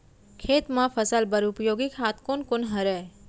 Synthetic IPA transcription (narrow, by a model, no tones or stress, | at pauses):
kʰeːt̪mãfʰəsəlbəɾupjoːɡikʰat̪ʰkonkonɦəɾɛ